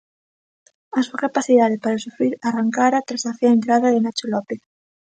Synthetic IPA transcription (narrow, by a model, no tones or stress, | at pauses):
asuakapaθiðaðɪpaɾasufɾiɾaraŋkaɾat̪ɾazaθiaent̪ɾaðaðenat͡ʃolɔpeθ